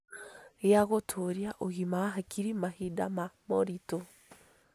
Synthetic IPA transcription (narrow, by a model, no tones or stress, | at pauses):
jaɣotʰoɾjaʔoɣimawaɦakʰiɾimahidamamoɾito